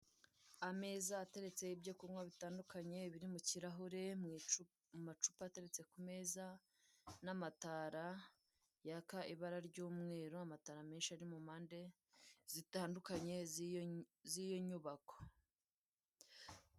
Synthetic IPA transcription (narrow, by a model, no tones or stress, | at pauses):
ame̞ːzaːte̞ɾe̞t͡se̞ibjokumŋwaβitaːndukaɲe̞βiɾimuciɾaɦuɾe̞m | mumat͡ʃu̥pate̞ɾe̞t͡se̞kume̞ːza | namataːɾa | jakaʔiβaɾaɾɟuːmŋe̞ːɾoamataɾameːnʃiaɾimumaːnde̞ | zitaːndukaɲe̞ | zijo̞ɲuβako̥